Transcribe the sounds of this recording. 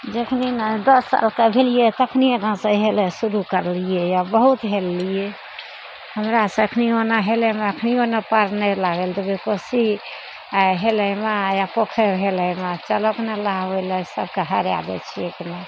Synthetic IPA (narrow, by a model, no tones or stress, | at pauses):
d͡ʒekʰninad̪əsːa̰lkebʱelijet̪əkʰnienãsə̃ɦelesuɾukəɾlijejabəɦut̪ɦelːije | həmɾasə̃əkʰnionaɦelɛmeəkʰnionapəɾnɛlaɡeld̪əbekosi | aɦeləmajapokʰeɾɦeləmat͡ʃəloknelaɦɦojləsəb̚ʱkeɦəɾja̰d̪ɛ̰t͡ʃʰiekne